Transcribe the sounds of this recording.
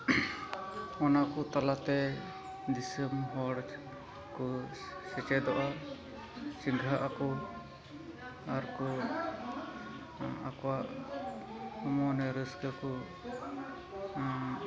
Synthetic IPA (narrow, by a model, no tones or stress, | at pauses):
ɔnakɔt̪alat̪ɛ | d̪isəmɦɔɽ | kɔsɛt͡ʃɛd̪ɔʔa | siŋɡʱaʔakɔ | aɾkɔ | akɔwaʔ | ɔmɔnɛɾəskəkɔ